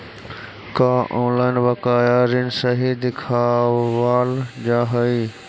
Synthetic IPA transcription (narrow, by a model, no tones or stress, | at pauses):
kaːʔõːnlaːɪnbɐkaːjaːɾinsɐɦid̪ɪkʰaːʋʋaːld͡ʑaːɦəi